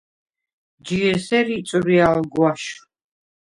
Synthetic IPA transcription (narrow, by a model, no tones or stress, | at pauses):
d͡ʒiɾsɛɾit͡sʼuɾialɡwaʃ